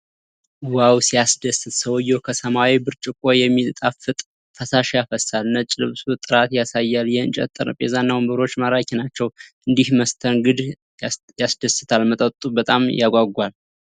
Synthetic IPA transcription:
wawsijasd̪əsɨt̪səwjːokʰəsəmawibɨɾt͡ʃʼɪkʼojɛmːilt̪ʼafɨt̪ʼ | fəsaʃjafəsalnət͡ʃʼɪlɨ̰βsut̪ʼɨɾat̪jasajːaljɛɨ̰nt͡ʃʼɛ̰t̪ʼːɨ̰ɾə̰pʼezanːawmbɨɾo̞t͡ʃːmaɾakʲʰinat͡ʃːɛwʔɨnd̪ihməst̪ʰənɡɨd̪ | jasd̪əsɨ̥t̪ʰalmət̪ʼətt̪ʼubət̪ʼamjaɡʷaɡʷal

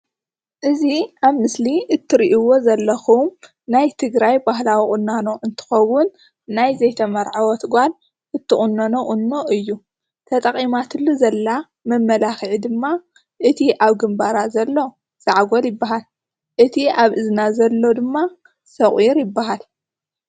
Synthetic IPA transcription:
ʔɨziaβmɨsliɨt̪ʰːɨɾiʔiwo̞zɐlːɐxum | najt̪ʰɨɡɾajbahlawikʼʊnːanoʔɨnt̪ʰɨ̥xɐwʊnː | ajzɐjt̪ʰɐmɐɾʕawɔt̪ʰɡʷan | ʔɨt̪ʰːɨʔʼunːanoʔʼʊnːo̞ʔɨjːu | t̪ʰɐt̪ʼɐχʼimat̪ɨlːuzɐlːa | mɐmːɐlaxʕid̪ɨmːa | ʔɨt̪ʰiʔaβɡɨmbaɾazɐlːo̞ | z̥aʕɡʷoljɪbːaɦal | ʔɨt̪ʰiaβʔɨznazɐlːo̞d̪ɨmːa | sɐχʼiɾjɪbːaɦal

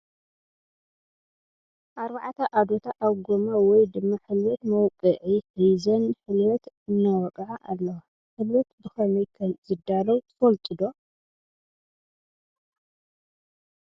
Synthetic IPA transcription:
ʔaɾbaʕt̪ʰɐʔad̪ot̪ʰaʔaβɡomawɔjd̪ɨmːɐħɨlwɔt̪mɐwkʼɨʕihijzɐnħɨlwɔt̪ | ɨnːawɔkʼʕaʔalːɐwa | ħɨlwɔt̪bɨxɐnɐjkʰɐmzɨd̪alɐwt̪ʰɨ̥fɐlt̪ʼɨd̪o

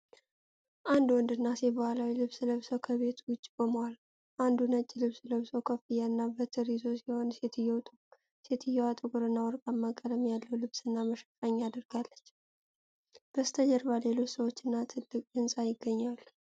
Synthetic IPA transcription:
ʔand̪wɔnd̪ɨnːasɛbəhʷalawilɨβsləβsəwkʰəβe̞t̪wʊt͡ʃʼːikʼoməwal | ʔand̪unət͡ʃʼːilɨβsləβsowkʰəfijaɨnːabət̪ʰɨɾizo̞siho̞nset̪ʰjɛw̪ | set̪ʰɨjːɛwat̪ʼɨkʼɨɾɨnːawɔɾkʼamːakʼələmjalːəwlɨβsɨnːaməʃə̥faɲːad̪əɾɡ̥alːət͡ʃː | b̥əst̪ʰəd͡ʒəɾbale̞lo̞t͡ʃːsəwo̞t͡ʃːɨnːat̪ʰɨlːɨkʼɨnsʼajɪɡːəɲːal

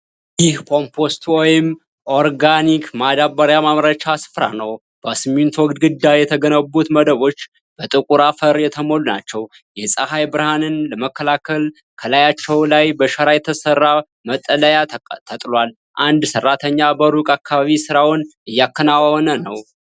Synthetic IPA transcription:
jɪhkʰo̞mpʰo̞st̪wɔjɪm | ʔo̞ɾɡanikmad̪abəɾjamamɾət͡ʃasɨ̥fɾa̰nəw | b̥əsɨmːint̪wɔɡd̪ɡɨd̪ːajɛt̪ʰəɡənəbːut̪məd̪əβo̞t͡ʃː | b̥ət̪ʼɨkʼuɾafəɾjɛt̪ʰəmo̞lːuna̰t͡ʃːɛw | jɛsʼəhajbɨɾhanɨnləməkːəlakʰəl | kʰəlajat͡ʃːɛwlajbəʃəɾajɛt̪ʰəsərːa | mət̪ʼːələjat̪ʰət̪ʼlwal | ʔand̪sərːat̪ʰəɲːabəɾukʼakʰːaβaβisɨɾawʊnɨjːakʰːənawawɔnənəw

